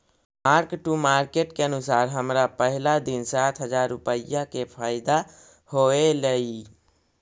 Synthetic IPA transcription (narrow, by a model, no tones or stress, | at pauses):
maɾkʈumaɾkeʈkeənusaɾɦəmɾapəɦilad̪insat̪ʰɦəd͡ʒaɾːupəjːakepʰajd̪a | hoelej